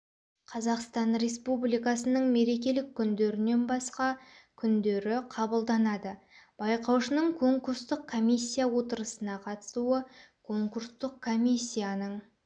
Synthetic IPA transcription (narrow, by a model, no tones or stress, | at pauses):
qʰɑzɑqst̪ɑnɾe̞spublijkɑsənəɴme̞ɾe̞k̬ʲe̞lɪkʲʰːʏnd̪e̞ɾɪne̞nbɑsqɑkʲʰʏnd̪eɾɪqʰɑbəlˠd̪ɑnɑd̪ə | b̥ɑjqɑwʃənəɴkʰo̞ŋkuɾst̪əqkʰo̞mʲisʲːijawo̞t̪əɾəsənɑqʰɑt̪ə̥suəkʰo̞ŋkuɾst̪əqkʰːo̞mʲisʲːijanəɴ